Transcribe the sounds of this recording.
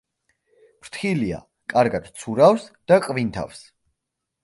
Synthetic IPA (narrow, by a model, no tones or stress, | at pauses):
pɾt̪ʰχilia̰ | kʼaɾɡad̪̥t̪sʰuɾavsd̪̥akʼvint̪ʰa̰fs